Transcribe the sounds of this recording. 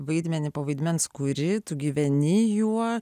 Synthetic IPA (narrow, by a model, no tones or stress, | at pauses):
ʋɐɪd̪ʲmʲɛnʲɪpoːʋɐɪd̪ʲmʲɛnskʊɾʲɪt̪ʊɡʲiːʋʲɛnʲɪjuɔ